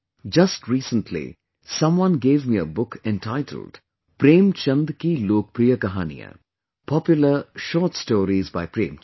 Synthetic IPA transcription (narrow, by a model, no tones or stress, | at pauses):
d͡ʒɐstɾiːsə̃ntʰlḭ | sʌ̃mwʌ̃nɡeːvmiəbʊkɛ̃nʈʰaɪʈʰə̰l̩ɖ̥ | pɾẽːmt͡ʃɐ̃nd̪kiloːk̚pɾijəkɐɦaːnḭjə̰ | pʰɔpjʊləʃɔːʈstoːɾizbaɪpɾẽːm